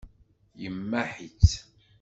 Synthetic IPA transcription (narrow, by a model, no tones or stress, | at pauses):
jəmːæħit͡sː